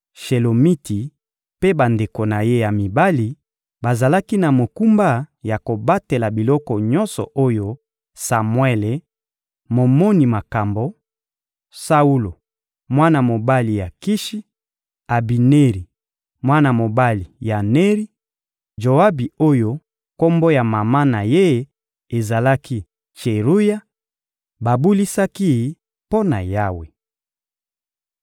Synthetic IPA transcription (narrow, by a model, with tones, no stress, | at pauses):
ʃe˨lo˨mi˦ti˨ | pe˦ba˨nde˨ko˨na˨je˦ja˨mi˨ba˦li˨ | ba˨za˨la˦ki˦na˨mo˨ku˦mba˦ja˨ko˨ba˦te˨la˨bi˨lɔ˦kɔ˨ɲɔ̃˦nsɔ̰˨ʔo˦jo˦ | sa˨mwɛ˦le˨ | mo˨mo˦ni˨ma˨ka˨mbo˨ | sa˦u˦lo˨ | mwa˦na˨mo˨ba˦li˨ja˨ki˦ʃi˦ | a˨bi˨ne˦ʁi˨ | mwa˦na˨mo˨ba˦li˨ja˨ne˦ʁi˦ | ʒo˨a˦bi˨o˦jo˦ | ko˦mbo˦ja˨ma˨ma˦na˨je˦ | e˨za˨la˦kʰi˦ | t͡ʃe˨ʁu˦ja˦ | ba˨bu˦li˦sa˦ki˦˨˦ | po˦na̰˨ja˦wḛ˨